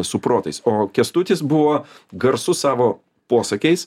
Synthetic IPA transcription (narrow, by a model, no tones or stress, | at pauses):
sʊpɾoːt̪ɐɪsoːkʲɛst̪ʊt̪ʲɪs̬bʊʋoː | ɡɐɾsʊsɑːʋoː | puɔsɐkʲɛɪs